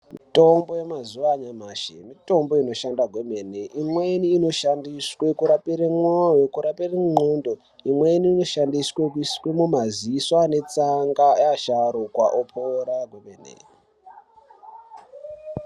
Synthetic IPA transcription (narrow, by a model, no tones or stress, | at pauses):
mito̞mbojemazuʋaɲamaːʃḛmito̞mbo̞ino̞ʃandaɡʱwemeneʔimweniːno̞ʃandiswe̞kuɾapeɾeŋ͡ǃojokuɾapereŋ͡ǃoːndo | imweniːno̞ʃandiswekuiskwemumaziswane̞t͡saŋɡaaʃaɾokwa̰ʔopʰoɾaɡʱwomenḛ